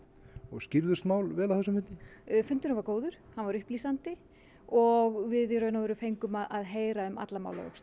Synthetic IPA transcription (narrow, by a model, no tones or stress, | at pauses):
ɔɣscɪɾðʏst̪maːwlvɛːlawθɛs̬ʏmhɪt̪nɪfʏnt̪ʏnavaɾkoːwðʏɾ̥hanvaɾʏhpliːsant̪ɪ | ɔɣvɪðɾœːɥnavʏɾʏfejŋkʏmaðaðɦeːjɾaʏma̰t̪lama̰wla̰vœ̰ks